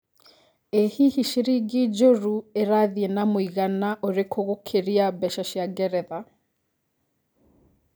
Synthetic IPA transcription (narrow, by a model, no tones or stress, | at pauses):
ehihiʃiɾiɡid͡ʒoɾueɾaðiɛnamoiɣanaʔoɾekʰoɣokʰeɾiabɛʃaʃjaɡɛɾɛða